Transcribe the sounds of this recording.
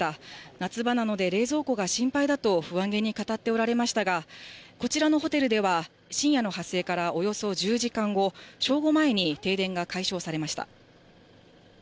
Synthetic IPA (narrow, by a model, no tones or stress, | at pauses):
anat͡sɨbanano̞d̪e̞ɾe̞ːzo̞ːko̞ɡaɕĩmpaid̪at̪o̞ɸɯ̟βãŋɡe̞ɲ̟ikat̪at̪ːe̞o̞ɾaɾe̞maɕi̥t̪aɡako̞t͡ɕiɾano̞ɦo̞t̪e̞ɾɯ̟d̪e̞βa | ɕĩɰ̃jano̞ɦasːe̞ːkaɾaʔo̞jo̞so̞d͡ʑɨːʑikãŋɡo̞ɕo̞ːɡo̞mae̞ɲ̟it̪e̞ːd̪ẽ̞ŋɡakaiɕo̞ːsaɾe̞maɕi̥t̪a̰